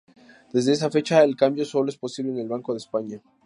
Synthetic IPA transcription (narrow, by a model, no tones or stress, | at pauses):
d̪̥e̞zðe̞es̬afe̞t͡ʃaelkambjo̞so̞loe̞spo̞siβleːne̞lβaŋko̞ðespaɲa